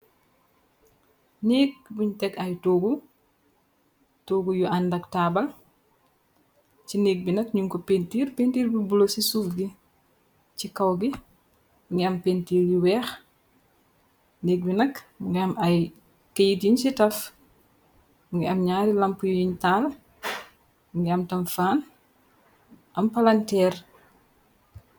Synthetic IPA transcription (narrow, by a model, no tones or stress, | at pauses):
neːk̚buɲtɛkɐjtoːɡu | toːɡujuʔɐndɐktaːbɐl | t͡ʃineːk̚binɐkɲuŋkɔpentiːɾpentiːrbibulosisuːfɡi | cikɐwɡi | ŋɡiɐmpentiːɾjiwɛːx | neːk̚binɐkmŋɡiɐmɐj | kɐjitjiɲsitɐf | ɡiɐmɲaːɾilɐmpujujiɲtaːl | mɡiɐmtɐmfaːn | ʔɐmpɐlɐntɛːr